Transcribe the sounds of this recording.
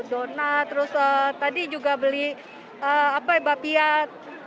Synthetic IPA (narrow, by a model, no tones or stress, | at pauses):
donat̪əɾʊsət̪adid͡ʒuɡabəlɪ | əapabapiat̪̚